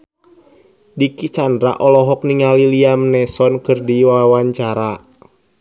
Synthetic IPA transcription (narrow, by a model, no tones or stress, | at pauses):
dikit͡ʃandɾa̰ʔɔlɔɦɔk̚niŋaliliamənɛsɔnkɨrdiwawaɲt͡ʃaɾa